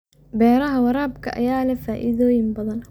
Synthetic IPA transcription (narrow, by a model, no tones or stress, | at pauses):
bɛːɾɐɦɐwɐɾaːbkʰɐ̰ʔɐ̰jaːlɛfaːʔɪ̰ðɔːjɪmbɐðɐn